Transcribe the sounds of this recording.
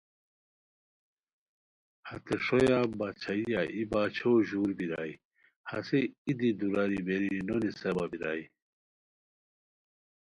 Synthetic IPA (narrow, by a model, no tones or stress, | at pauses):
hɐ̰t̪eʂojabat͡ɕʰaijaʔibaːt͡ɕʰoʑuːɾbiɾa̰j | hɐ̰seid̪id̪uɾaɾibeɾinonisɐbabiɾa̰i